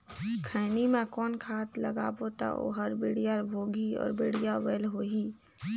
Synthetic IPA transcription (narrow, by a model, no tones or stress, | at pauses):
kʰɛːnimẽkɔːnkʰaːt̪ləɡa̰ːbot̪a̰o̰ɦəɾbiːɽijaɾbʱoːɡiɔ̰ːɾbeːɽijaweːlɦoːɦiː